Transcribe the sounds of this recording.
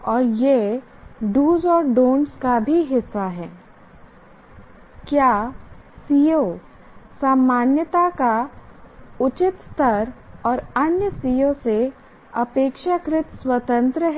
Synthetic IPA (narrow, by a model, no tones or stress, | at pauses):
ɔːɾje | ɖuːzɔːɾɖoːnskabʱiɦɪsːaɦɛː | kjaː | sijo | saːmːaːnjət̪aka | ʊt͡ʃɪt̪st̪ʰəɾɔːɾɐnjəsijose | ɐpeːkʃakɾɪt̪swət̪ə̃nt̪ɾəɦɛ